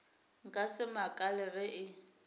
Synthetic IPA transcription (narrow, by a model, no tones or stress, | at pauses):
ŋ̩kʼasɪmakʼalɛrɪʔɪ